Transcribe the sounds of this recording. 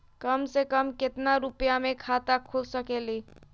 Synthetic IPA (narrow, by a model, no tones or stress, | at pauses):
kəmsekəmket̪naɾupjamekʰat̪akʰulsəkeli